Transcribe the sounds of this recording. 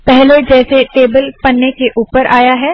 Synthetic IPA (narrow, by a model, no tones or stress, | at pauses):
pɛɦled͡ʒɛːseʈeːbəlpɐnːekeʔuːpəɾaːjaɦɛː